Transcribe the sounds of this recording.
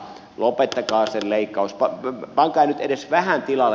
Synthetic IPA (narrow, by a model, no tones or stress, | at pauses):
lopet̪ːɑkɑːselleikːɑuspɑpɑŋkɑːˑinyt̪edesʋæhænt̪ilɑl